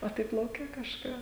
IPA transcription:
oː ˈtɐɪp lˠɐʊˈkʲɛ kɐʃˈkɑː

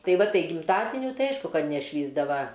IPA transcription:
ˈtɐɪ ˈʋɐ ˈtɐɪ ɡʲɪmˈtɑːdʲɪnʲʊ ˈtɐɪ ˈɐɪʃkʊ ˈkɐt nʲɛˈʃʲʋʲiːzdɐʋɐ

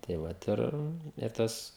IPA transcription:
tɐɪ ˈʋɐt ɪr ɪr ˈtɐs

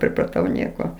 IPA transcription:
pʲrʲɪprɐˈtɐʊ ˈnʲiɛkoː

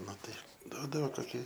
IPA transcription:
ˈnʊ tɐɪ ˈduɔdɐʋoː koːˈkʲɪ

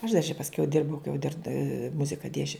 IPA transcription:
ɐʃ dɐr t͡ʃʲɛ pɐsʲˈkʲɛʊ ˈdʲɪrbɐʊ kɐɪ jɛʊ dʲɪr ˈmʊzʲɪkɐ ˈdʲiɛsʲt͡ʃʲɛʊ

